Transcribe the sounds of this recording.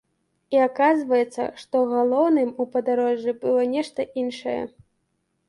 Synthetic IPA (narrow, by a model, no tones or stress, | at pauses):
iakazvɐjɛt̪sːɐ̰ʂt̪ɔɣalˠɔwnɨmupɐd̪aɾɔʐːɨbɨlˠɔnʲɛʂt̪ɐʔinʂɐjɛ̰